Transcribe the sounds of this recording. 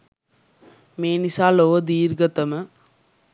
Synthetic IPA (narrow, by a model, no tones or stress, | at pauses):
meːnisaːloʋɐd̪iːɾɡɐt̪ɐmɐ